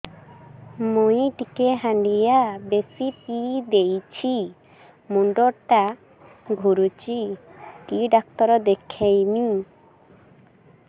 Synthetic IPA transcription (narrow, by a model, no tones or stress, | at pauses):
mujʈikeɦãɳɖijabesipid̪ejt͡ʃʰi | muɳɖɔʈa | ɡʱuɾut͡ʃiʈiɖak̚t̪ɔɾɔd̪ekʰejmi